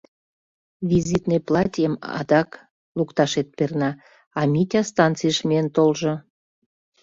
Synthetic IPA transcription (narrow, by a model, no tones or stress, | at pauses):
vʲizʲit̪nejplɑt̪ʲijəmɑ̰d̪ɑk | lukt̪ɑʃet̪̚pernɑ | ɑmʲitʲɑst̪ɑnt͡sɨjəʃmient̪olʒŏ